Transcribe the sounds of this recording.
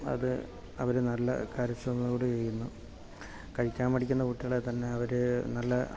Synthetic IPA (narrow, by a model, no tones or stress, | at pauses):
ɐ̰ðɨ̰ | ɐʋɐɾenɐlːɐ̰kaːɾɐsrɐnɐuːɽet͡ɕejunːu | kɐɻikʲːaːmpɐɽikʲːunːɐkuʈːijɐɭet̪ɐnːe̞ɐʋɐɾɨnɐlːɐ